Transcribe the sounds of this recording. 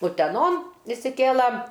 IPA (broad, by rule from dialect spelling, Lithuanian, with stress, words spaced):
ʊtʲɛˈnoːn ɪʃʲsʲɪˈkʲeːlˠɐ